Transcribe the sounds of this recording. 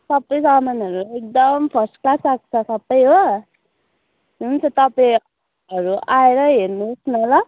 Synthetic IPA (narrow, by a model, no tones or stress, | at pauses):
sʌbːʌjsʌmanʌɾuek̚d̪ʌmpʰʌrsʈklasak̚t͡sʰʌsʌbːʌjɦo | ɦunt͡sʰʌt̪ʌpa | ʌɾuʔaeɾʌɦernusnʌlʌ